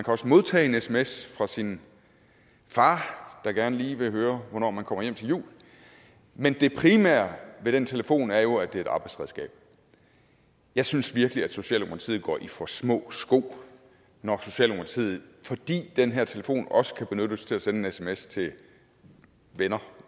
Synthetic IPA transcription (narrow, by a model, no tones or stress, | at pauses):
mænkʰæɒ̽səmo̝ð̞ˠt͡sʰɛ̰ːe̝nesemesfʁɑ̈sin | fɑ̈ːd̥ɑ̈ɡ̥æɐnəliːʋe̝ɦøːɐʋɒnɒ̰ːmænkʰɒ̽m̰ɐjem̰t͡sʰe̝ljṵːl | mend̥e̝pʰʁimæ̰ɐʋe̝ɾ̥ent͡sʰeləfo̝̰ːnæɐjo̝æd̥e̝ɐe̝ɾɑ̈ːb̥ɑ̈ɪdsʁɛðˠsɡ̥ɛ̰ːb̥ | jɑ̈ɪsynsʋiɐɡ̥əliæd̥so̝ɕɛ̰ːlokʰnɑt͡sʰiːð̩ˠɡ̥ɒ̰ːʔifɒ̽smɔ̰̽ːsɡ̥o̝̰ː | nɒso̝ɕɛ̰ːlokʰɑt͡sʰḭð̩ˠfɒd̥ḭːd̥enɦeɐt͡sʰe̝ləfo̝̰ːnɒ̽sə̥kʰæb̥e̝nøɾ̥əst͡sʰe̝læsenəenesemest͡sʰe̝ | ʋenɐ